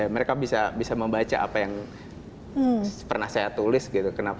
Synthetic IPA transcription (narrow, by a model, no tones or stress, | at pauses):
aməɾekabisabisaməmbat͡ʃa̰ʔa̰pajaŋ | pərnahsajat̪ulɪsɡit̪ukənap